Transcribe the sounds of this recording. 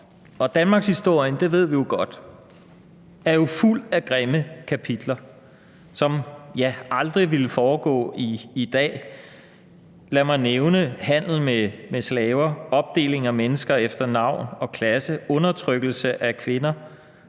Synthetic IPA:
ɒ̽d̥ænmɑ̈ːɡ̥shisd̥o̝ɐ̰jənd̥e̝ʋe̝ð̞̰ˠʋijo̝ɡ̥ɒ̽d̥ | æɐjo̝ful̰æɡ̥ʁeməkʰæpʰid̥lɐ | sɒ̽mjæɑ̈ld̥ʁiʋiləfɒːɡ̥ɔ̰̽ːiːd̥ɛ̰ː | læmɑ̈ɪneʊnəhæn̰l̩memeslɛːʊɐɒ̽b̥̚d̥e̝̰ːle̝ŋæmenəsɡ̥ɐefd̥ɐnɑ̈ʊ̰nɒ̽kʰlæsəʔɔ̽nɐt͡sʰʁœɡ̥l̩səʔækʰʋe̝nɐ

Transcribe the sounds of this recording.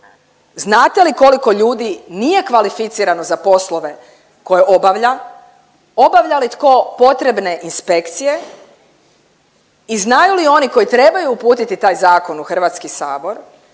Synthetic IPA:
znaːt̪e̞liko̞liko̞ʎuːd̪inije̞kʋalifit̪siːɾano̞zapo̞slo̞ʋe | ko̞jeʔo̞baʋʎa | o̞baʋʎalit̪ko̞ːpo̞t̪ɾe̞bne̞ʔinspe̞kt̪sije̞ | iznajulio̞niko̞jit̪ɾe̞bajuːpuːt̪it̪it̪aːjzaːko̞nuxr̩ʋaːt̪skisaːbo̞ɾ

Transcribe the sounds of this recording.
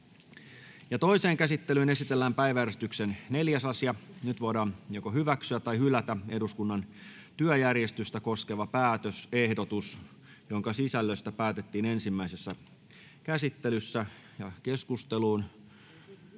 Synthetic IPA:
jɑt̪o̞ise̞ːŋkæsit̪ːelyːne̞sit̪elːæːmpæjʋæjærest̪yksenne̞ljæsɑsiɑnyt̪ʋo̞jdɑːnjokoɦyʋæksyæt̪ːɑjhylːˑæt̪æe̞duskunːɑn | t̪yøjærje̞st̪yst̪æko̞ske̞ʋɑpæːt̪øse̞hdo̞t̪us | joŋkɑsisælːøst̪æpæːt̪e̞t̪ːiːne̞nsimːæisesːæ | kæsit̪ːelysːæ | jɑke̞skust̪e̞luːn

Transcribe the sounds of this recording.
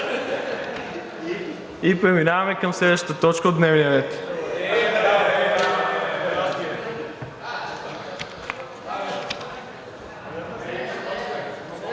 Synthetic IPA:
ipɾɛminavɐmɛkɐmslɛd̪əʃt̪ə̥t̪ət̪ɔt͡ʃkəod̪nɛvnijəɾɛt̪

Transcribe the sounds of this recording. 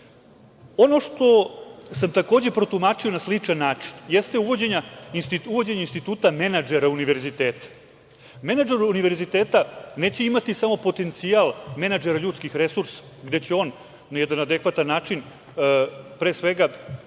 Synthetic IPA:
o̞no̞ʂt̪o̞samt̪ako̞ːd͡ʑe̞pɾo̞t̪umat͡ʂio̞naslit͡ʂanːaːt͡ʂi̥njest̪euʋo̞d͡ʑeɲaist̪iuʋo̞d͡ʑeɲainst̪it̪uːt̪ame̞nad͡ʒeɾauniʋe̞ɾzit̪eːt̪ḁ | me̞nad͡ʒeɾuniʋe̞ɾzit̪eːt̪ane̞ːt͡ɕeimat̪isamo̞po̞t̪e̞nt̪sialˠme̞nad͡ʒeɾaʎuːt̪skixɾesuɾsḁ | ɡd̪e̞t͡ɕeo̞ːn | nːajed̪anad̪ekʋat̪anːaːt͡ʂin | pɾeːsʋe̞ɡa

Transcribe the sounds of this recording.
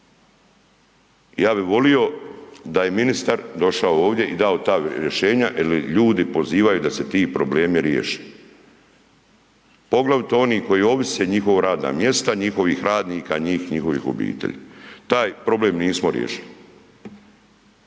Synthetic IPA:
jaːbiʋo̞lijo̞d̪aje̞minist̪aɾd̪o̞ʃaooːʋd̪je̞ʔid̪aot̪aɾjeʃe̞ːɲaʔiliʎuːd̪ipo̞ziːʋajud̪ase̞t̪iːpɾo̞ble̞ːmiɾjḛʃi̥ | po̞ɡlaʋt̪o̞niːko̞jio̞ʋiseɲixo̞ʋoɾaːd̪na̰ːmje̞st̪aɲixo̞ʋixɾaːd̪niːkaiɲiːxɲixo̞ʋḭxo̰bḭːt̪ḛʎḭt̪aːjpɾo̞bleːmniːsmoɾjḛʃili

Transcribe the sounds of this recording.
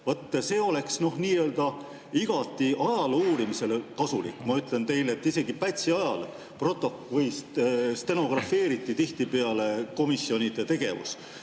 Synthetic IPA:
vot̪ːse̞ːo̞le̞ksno̞hniːøːld̪̥ɑ | iɡ̥ɑt̪ːˑiʔɑjɑluːɾimise̞lekɑsulḭkːˑmɑyt̪ˑle̞nt̪e̞jlet̪ːˑise̞ɡ̥ipæt̪ʲsiɑjɑl | pro̞t̪ːˑo̞kvɤjst̪st̪e̞no̞ɡ̥rɑfe̞ːɾit̪ːˑit̪iht̪ipe̞ɑle̞ko̞misjo̞nʲid̪e̞t̪e̞ɡ̥e̞̰vṵs

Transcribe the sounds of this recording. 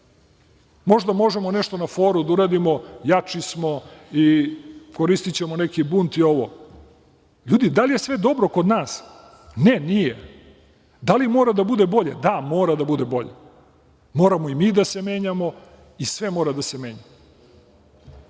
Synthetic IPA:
mo̞ʒd̪amo̞ʒe̞mo̞neʃt̪o̞nafo̞ːɾud̪auɾaːd̪imo̞jat͡ʃismo̞ikoɾist̪it͡ɕe̞monekibunt̪io̞ʋo | ʎuːd̪id̪alje̞sʋe̞d̪o̞bɾo̞kod̪naːs | ne̞nije | d̪alimoɾad̪abud̪ebo̞ʎed̪amo̞ːɾad̪abud̪ebo̞ʎḛ | mo̞ːɾamo̞imiːd̪ase̞me̞ːɲamo̞ | isʋe̞mo̞ːɾad̪ase̞me̞ːɲam

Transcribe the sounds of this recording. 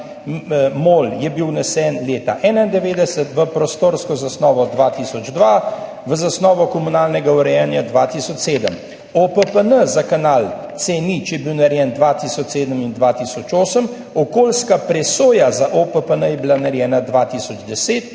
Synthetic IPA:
moːljɛbiwnɛsɛnleːt̪a̰ʔɛːnaind̪ɛʋeːd̪ɛsət̪ʋəpɾɔst̪oːɾskɔzasnɔːʋɔd̪ʋat̪isɔd͡ʒd̪ʋa | ʋəzasnɔːʋɔkɔmunaːlnɛɡauɾɛjɛnjad̪ʋat̪isɔt͡ʃseːd̪əm | opəpənəzakanaːlt̪senit͡ʃjɛbiwnaɾjɛnd̪ʋat̪isɔt͡ʃseːd̪əmind̪ʋat̪isɔt͡ʃoːsəm | ɔkoːlskapɾɛsoːjazaʔopəpənəjɛbilanaɾjɛːnad̪ʋat̪isɔd͡ʒd̪ɛseːt̪

